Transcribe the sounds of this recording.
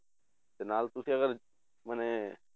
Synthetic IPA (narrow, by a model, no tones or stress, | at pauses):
t̪enaːlt̪usiəɣəɾ | məne